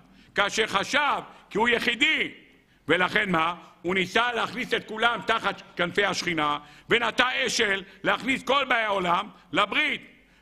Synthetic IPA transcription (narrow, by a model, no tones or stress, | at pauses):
kaːʃeχaʃavkiujeχid̪i | velaχe̞nmaunisaleaχniset̪̚kulamt̪aχat̪kanfe̞jhaʃχinavenat̪aeʃelːeaχnisko̞lbaeolam | labʁit̪